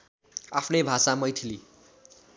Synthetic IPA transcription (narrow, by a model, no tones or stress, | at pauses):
apʰnʌjbʱasamʌjt̪ʰili